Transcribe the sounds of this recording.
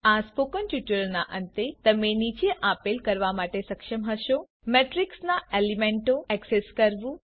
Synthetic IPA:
aspokənʈjuʈəɾnaʔə̃nt̪et̪əmenit͡ʃeʔapelkəɾʋamaʈesəkʃəmɦəʃo | meʈɾiksnaelimẽɳʈoɛkseskəɾʋũ

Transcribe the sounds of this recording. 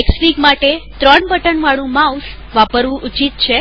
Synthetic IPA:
eksʋiɡmaʈet̪ɾəɳbəʈəɳʋaɭũmaus | ʋapəɾʋũʔut͡ʃit̪̚t͡ʃʰe

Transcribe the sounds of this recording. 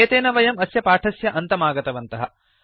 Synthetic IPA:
eːt̪eːnɐʋɐjɐmɐsjɐpaːʈʰɐsjɐʔɐnt̪ɐmaːɡɐt̪ɐʋɐnt̪ɐɦɐ̰

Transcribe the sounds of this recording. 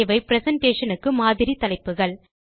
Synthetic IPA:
ʋɐɪpɪɾɛsɐɳʈeːʂɐnɯkːɯmaːðɪɾit̪ɐlɐɪpːɯɣɐɭ

